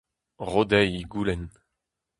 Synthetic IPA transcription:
ʁod̪ɛjiɡuːlɛn

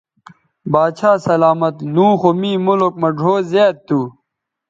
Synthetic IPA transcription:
baːt͡ɕʰaːsɐlaːmɐt̪nũːxomiːmulok̚mɐɖʱoːzeːt̪̚t̪ːuː

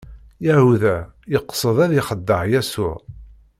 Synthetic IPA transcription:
jæhuðæjəqːsˤəðˤæðɪχəd̪ːəʕjæsʊɾ

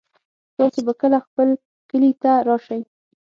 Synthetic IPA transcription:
t̪ɑsobakəlaxpəl | kəlit̪aɾɑʃaj

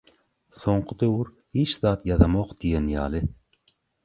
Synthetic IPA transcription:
soɴqʰəd̪ewuɾ | hit͡ʃzɑːt̪jɑzɑmoqd̪̥ijenjɑ̰ːlɪ

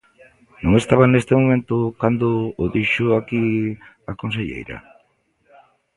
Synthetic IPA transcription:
nuŋe̞st̪aβane̞st̪emumẽ̞nt̪ukand̪uoðiʃuaki | akons̬eʎḛjɾa̰

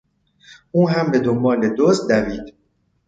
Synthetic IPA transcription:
ʔuːɦæmbe̞d̪ombɒːle̞d̪ozd̪æviːd̪

